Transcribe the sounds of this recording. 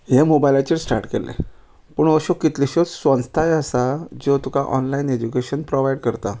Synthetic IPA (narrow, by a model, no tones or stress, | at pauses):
ɦemobajlat͡ɕiɾsʈa̰ɾʈkelḛ | pəɳəɕokit̪liɕot͡ssʋə̃nst̪ʰajəsad͡ʑot̪ukaʔɔnlained͡ʑukeɕənpɾoʋaiɽkəɾt̪a